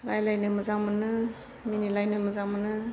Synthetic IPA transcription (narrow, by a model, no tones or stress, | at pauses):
ɾajlajnɯməzamɯnɯ | minilajnɯməzamɯnɯ